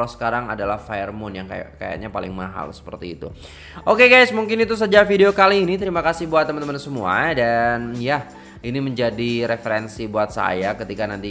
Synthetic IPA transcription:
losə̥kaɾaŋa̰dalahfajərmʊnjaŋka̰a̰ka̰ja̰ɲapalɪ̰ŋmaɦa̰lsə̥pərt̪iːt̪ṵ | ʔokeɡajsmuŋkɪnit̪us̬əd͡ʒafideokaliːnit̪əɾimakasɪhbuat̪ːəmənt̪əmansəmua̰danja | iniməɲd͡ʒadiɾefeɾɛnsibuat̪̚sa̰jakət̪ikanant̪i

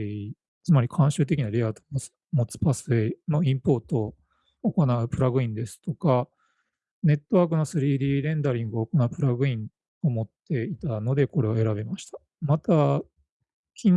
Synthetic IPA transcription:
t͡sɨmaɾʲikʰãɰ̃ɕɨːt̪̬e̞kʲinaɾʲiat̪omos | mo̞t͡sɨ̥pasɨeno̞ĩmpo̞ːt̪o̞ː | ko̞naɯ̟pɯ̟ɾaɡɯ̟ĩnd̪e̞sɨ̥t̪o̞ka | ne̞t̪ːo̞βaːk̬ɯ̟no̞sɨɾʲiːd̪iːɾẽ̞nd̪aɾʲĩŋɡɯoːko̞naɯ̟pɯ̟ɾaɡɯ̟ĩŋ | o̞mo̞t̪ːe̞it̪ano̞d̪e̞ko̞ɾe̞βe̞ɾaβemaɕi̥t̪ḁ | mat̪a | kʲin

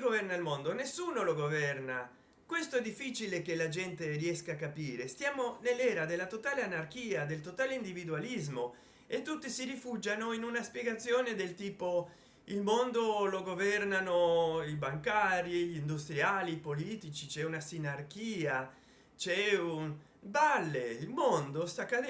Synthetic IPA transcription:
ɡovɛrnailmond̪onesːuːnoloɡovɛrna | kwest̪oɛd̪ːifːit͡ʃilekelad͡ʒɛnt̪eriɛskaːkːapiːɾest̪jaːmonelːɛːɾad̪elːat̪ot̪aːleanark̟iːad̪elt̪ot̪aːleind̪ivid̪ualizmo | et̪ːut̪ːisirifud͡ʒanoinunaspjeɡat̪sːjoːned̪elt̪iːpo | ilmond̪oloɡovɛrnanoibaŋkaːɾiʎind̪ust̪ɾjaːliːpoliːt̪it͡ʃit͡ʃɛunasinark̟iːa | t͡ʃɛun | balːeilmond̪ost̪akːa

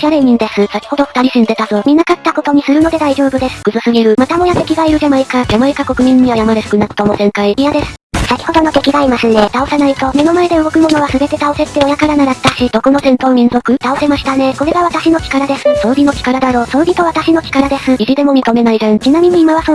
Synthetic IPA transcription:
kʲaɾe̞ɲ̟ĩnd̪e̞sɨsakʲi̥ho̞d̪o̞ɸɯ̟t̪aɾʲisɨ̃nd̪e̞t̪azo̞ːmʲĩnːakat̪ːako̞t̪o̞ɲ̟isɨɾɯ̟no̞d̪e̞d̪aiʑo̞ːbɯ̟d̪e̞sɨ̥kɯ̟zɨsɨɡeɾɯ̟mat̪amo̞jat̪e̞kʲiɡaiɾɯ̟ʑamaikaɡamaekako̞kɯ̟mʲĩɲ̟ːiβajamaɾesɯ̥kɯ̟nakɯ̥t̪omo̞sẽ̞ŋkaiijad̪e̞sɨ̥sakʲi̥ho̞d̪o̞no̞t̪e̞kʲiɡaimasɨne̞t̪ao̞sanait̪o̞me̞no̞mae̞d̪eɯ̟ɡokɯ̟mo̞no̞β̞asɨbe̞t̪e̞t̪ao̞se̞t̪ːeo̞jakaɾanaɾat̪ːaɕid̪̥o̞ko̞no̞sẽnt̪oːmʲĩnzo̞kɯ̟t̪ao̞se̞maɕi̥t̪ane̞ko̞ɾe̞ɡaβ̞at̪aɕino̞kʲi̥kaɾad̪e̞sɨsoɾʲino̞kʲi̥kaɾad̪aɾo̞ːsoɾʲit̪o̞βat̪aɕino̞kʲi̥kaɾad̪e̞sɨiʑid̪e̞mo̞m̟ʲit̪o̞me̞naizẽnt͡ɕinamʲiɲ̟iːmaβaso

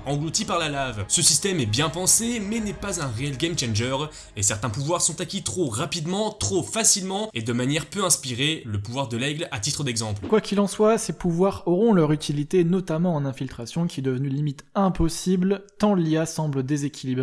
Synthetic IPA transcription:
ɑ̃ɡlut̪ipaʁlalavsəsist̪ɛmɛbjɛ̃pɑ̃semɛnɛpazɛ̃ʁeɛlɡʲɛmt͡ʃɛ̃nʒœʁ | esɛʁt̪ɛ̃puvwaʁsɔ̃t̪akʲit̪χoʁapid̪mɑ̃t̪χofasilmɑ̃ed̪əmanjɛʁpøɛ̃spiʁeləpuvwaʁd̪əlɛɡlat̪it̪χəd̪ɛɡzɑ̃plkwakʲilɑ̃swasepuvwaʁɔʁɔ̃lœʁyt̪ʰilit̪enɔt̪amɑ̃ːnɛ̃filt̪χasjɔ̃kʲiɛd̪əvnylimit̪ɛ̃pɔsiblt̪ɑ̃liasɑ̃bld̪ezekʲʰilibʁe

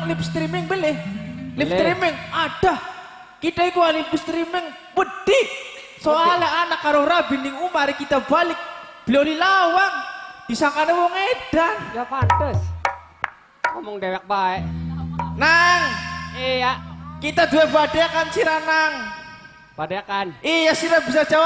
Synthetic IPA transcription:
ŋlipst̪ɾimɪŋbəlɪhlift̪ɾimɪŋaɖ̥a | kit̪aikualipst̪ɾimɪŋ | wəd̥i | soaleanakːaɾoɾabinɪŋumaɾɪkit̪abalɪk̚b̥əlalilawaŋd̥isaŋkanewɔŋeɖ̥anjapandəs | ŋɔmʊŋdewɛk̚baɛʔnaŋejakit̪ad̪uebadekansiɾanaŋ | b̥adekanʔijasiɾabisad͡ʒawa

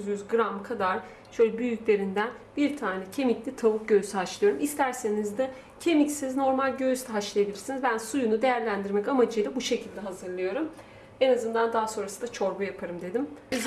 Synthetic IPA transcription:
zjyzɡɾamkʰad̪aɾ̥ | ʃøjlʲɛbyjyclʲe̞ɾind̪æn | biɾt̪ʰaːnɛcʰe̞miclʲit̪ʰaβuk̚ɟøjsiɦat͡ʃlˠɯjo̞ɾumist̪ʰæɾse̞nizd̪a | cʰe̞micsizno̞ɾmalʲɟøst̪ʰɛɦat͡ʃlˠajebilʲiɾsinizbænsujunud̪e̞jæɾlʲænd̪iɾmɛcamad͡ʒɯjlˠabuʃe̞cʰilʲd̪ɛɦazɯɾlˠɯjo̞ɾum | e̞nazɯnd̪and̪aːso̞nɾasɯ̥d̪at͡ʃʰo̞ɾbujapʰaɾɯmd̪e̞d̪im

